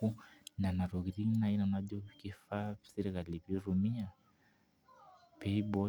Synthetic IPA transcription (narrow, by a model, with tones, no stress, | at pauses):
u˦na˨na˨ɾu˨ɣɾi˦na˦i˦na˨na˦ʄɔ˦ki˦fa˦˨si˦ɾi˦ɣa˨li˨pi˦ɾu˨mi˦a˨ | pɛ˦i˦bɔ˦